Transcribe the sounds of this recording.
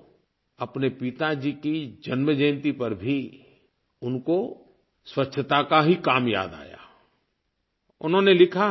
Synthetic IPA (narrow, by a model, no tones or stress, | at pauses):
ɐpnepɪt̪ad͡ʒikid͡ʒɐnməd͡ʒənt̪ipɐɾbʱi | ʊnko | swɐtːʃʰət̪akaɦikaːmja̰ːd̪a̰ːja̰ː | ʊnɦõnelɪkʰa